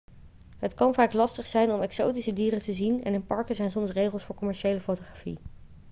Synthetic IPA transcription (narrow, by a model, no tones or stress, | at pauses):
ɦətkɑnvaːklɑstəχsɛjnɔmɛksowtisədiːrətəzinɛ̰nɪnpɑɹkəzɛjnsɔmsrejχəlˠsfʊːɹkɔmɛɹʃejləfowtoχaːfḭ